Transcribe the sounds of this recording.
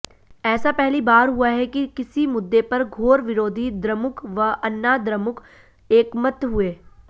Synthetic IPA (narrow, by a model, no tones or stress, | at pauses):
ɛːsapɛɦlibaːɾɦuaɦɛkikɪsimʊd̪ːepɐɾɡʱoːɾʋɪɾoːd̪ʱid̪ɾɐmʊkʋɐʔɐnːad̪ɾɐmʊk | eːkmət̪ɦueː